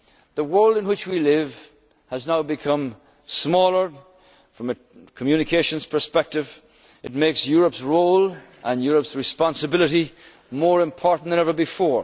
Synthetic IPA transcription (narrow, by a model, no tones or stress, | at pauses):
ðəwɜ˞lˠdɨ̃nwɪt͡ʃwilɪv̥ | əznaʊbɨkʰʌ̃m | smɔlˠə˞ | fɹʌ̃mɨ | kʰəmjʉnɨkʰeɪʃɨ̃nz̥pʰə˞spɛk̚tɨv | ɨt̚meɪksjʊɹəpsɹoʊlˠ | ʔə̃njʊɹəpsɹɨspɑ̃nsɨbɪlˠɨɾi | mɔɹɨ̃mpʰɔɹʔn̩ðɨ̃ñɛvə˞bɨfɔɹ